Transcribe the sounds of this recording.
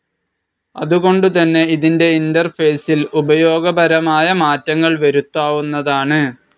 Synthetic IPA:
ɐ̰ðuɣo̞ɳɖut̪ɐnːe̞iðinde̞indɐrfe̞ːsilubɐjo̞ːɡɐbɐɾɐmaːjɐmaːtːɐŋːɐɭʋɐɾut̪ːaːʋunːɐðaːɳɨ

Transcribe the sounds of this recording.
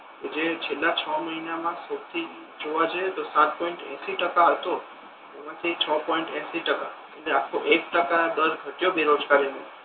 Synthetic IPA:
ked͡ʒet͡ʃʰelːat͡ʃʰɔməɦinamãsəkt̪ʰi | d͡ʒoʋad͡ʒet̪osãt̪̚pɔ̃iɳʈɛ̰̃siʈəkaɦət̪o | emãt̪ʰit͡ʃʰəpɔ̃iɳʈɛ̃siʈəka | eʈleakʰːoʔekʈəkad̪əɾɡʱəʈjobeɾod͡ʒɡaɾine

